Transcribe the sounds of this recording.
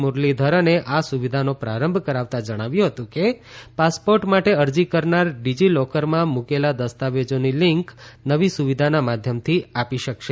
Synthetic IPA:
muɾlid̪ʱəɾəneʔasuʋid̪ʱanopɾaɾəmbʱkəɾaʋt̪ad͡ʒəɽ̃aʋjũɦət̪ũkepaspoɾʈmaʈeəɾd͡ʒikəɾnaɾɖid͡ʒilɔkəɾmãmukelad̪əst̪aʋed͡ʒoniliŋknəʋisuʋid̪ʱanamad̪ʱjəmt̪ʰiapiʃəkʃe

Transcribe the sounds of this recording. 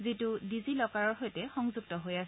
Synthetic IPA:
zitudizilɔkaɹɔɹɦojtɛxɔŋzuɡ̚tɔɦojas

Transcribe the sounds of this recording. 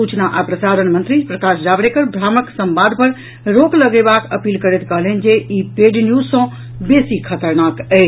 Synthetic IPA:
ut͡ʃnaʔapɾəsad̪ənmənt̪ɾipɾəkasd͡ʒabɾekəɾbʱɾaməksə̃mbad̪̚ʱpəɾ | ɾokləɡɛbakəpilkəɾɛt̪kəɦlɛnd͡ʒeipeɖnjusə̃ | besikʰət̪əɾnakɛ

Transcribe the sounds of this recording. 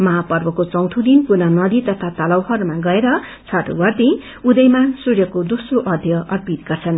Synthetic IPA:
mʌɦapʌrbʌkot͡sʌw̃t̪ʰud̪inpunʌnʌd̪it̪ʌt̪ʰat̪ʌlʌwɦʌɾumaɡʌeɾʌ | t͡sʰʌʈo̰bʌrt̪i | ud̪ʌjmasurjʌkod̪osroʔʌd̪ʱjʌʌrpit̪ɡ̥ʌrt͡sʰʌn

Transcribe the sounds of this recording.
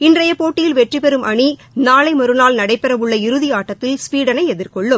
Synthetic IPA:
ɪndrɐjɐpoːʈːɪjɪlʋɛʈripɛɾɯmʔɐɳi | naːlɐɪmɐɾɯnaːlnɐɽɐɪpːɛɾɐʋɯɭːɐɪɾɯðiaːʈːɐt̪ːɪlspiːɽɐnɐɪɛðɪɾkɔɭːɯm

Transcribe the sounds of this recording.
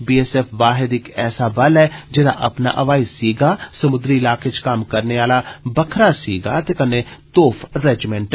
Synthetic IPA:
biːɛsɛːfʰʋaːɦɪd̪ɪkɛːsaːbɐlɛːd͡ʒɪd̪a̰ːʔɐ̰pna̰ʔɐʋaːɪsiːɡaːsəmʊd̪ɾiɪlaːket͡ʃkaːmkəɾneaːlabəkʰɾaːsḭːɡaːt̪ekənːeːt̪oːpʰɾɛːd͡ʒɪmɛ̃ɳʈ

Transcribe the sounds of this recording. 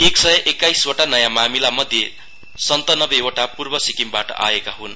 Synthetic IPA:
eksʌjʌʔekːajswoʈanʌjamamilamʌd̪ʱje | sʌnt̪ʌnʌbeoʈapurbʌsikimbaʈʌ̰ʔa̰ekaɦun

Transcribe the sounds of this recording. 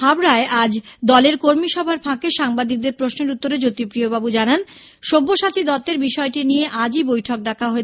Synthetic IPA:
ɦabɾaeʔad͡ʑd̪ɔleɾkoɾmiʃɔbʱaɾfʰãkeʃaŋbad̪ik̚d̪eɾpɾosneɾut̪ːoɾed͡ʑot̪ipɾiobabud͡ʑanan | ʃobːoʃat͡ɕid̪ɔt̪ːeɾbiʃɔeʈinijeʔad͡ʑibojʈʰok̚ɖakʰaɦoe

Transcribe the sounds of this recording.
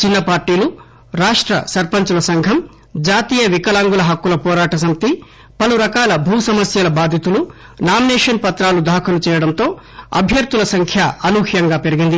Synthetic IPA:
t͡ʃinːɐpaːɾʈiːlu | ɾaːʂʈɾɐ̰sɐɾpɐɲt͡ʃulɐsɐŋɡʱɐm | d͡ʒaːt̪iːjɐʋikɐlaːŋɡulɐɦɐkːulɐpɔːɾaːʈɐs̬ɐmit̪i | pɐluɾɐkaːlɐbʱuːsɐmɐsjɐlɐbaːd̪ʱjit̪ulu | naːminɛːʂɐnpɐt̪ɾaːlud̪ʱaːkʰɐlut͡ʃɛːjɐɽɐnt̪o̞ː | ɐ̰bʱjɐɾt̪ulɐsɐŋkʰjɐɐluːhjɐŋɡaːpe̞ɾiɡind̪i

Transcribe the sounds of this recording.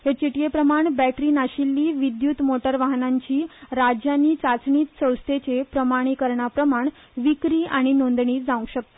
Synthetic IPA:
het͡ɕiʈijepɾəmaɳbæʈɾiːnaɕilːiːʋid̪jut̪moʈəɾʋaɦnaɲt͡ɕiːɾad͡ʑjanːiːt͡sat͡sɳiːt̪sə̃w̃st̪ʰet͡sepɾəmaɽ̃iːkəɾɳapɾəmaɳ | ʋikɾiːʔaɽ̃inond̪ɳiːd͡zãũɕək̚t̪o̥

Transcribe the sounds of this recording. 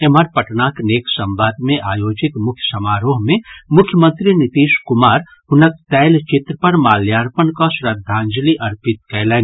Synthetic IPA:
eməɾpɐʈnaːkneːksɐ̃mbaːd̪mẽʔaːjoːd͡ʒɪt̪mʊkʰjəsɐmaːɾoːɦmẽmʊkʰjəmə̃nt̪ɾinɪt̪iːʃkʊmaːɾ | ɦʊnək̚t̪ɛːlt͡ʃɪt̪ɾəpɐɾmaːljaːɾpənkasɾəd̪ʱːaːnd͡ʒliʔɐɾpɪt̪̚kɛːlɛːn

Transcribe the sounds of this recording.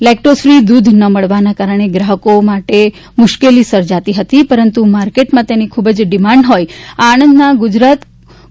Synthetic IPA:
lek̚ʈɾosfɾid̪ud̪ʱnəməɭʋanakaɾəɳ̃eɡɾaɦəkomaʈe | mʊʃkelisəɾd͡ʒat̪iɦət̪ipəɾənt̪umaɾkeʈmãt̪enikʰubəd͡ʒɖɪmãɳɖɦojaːnənd̪naɡʊd͡ʒɾat̪

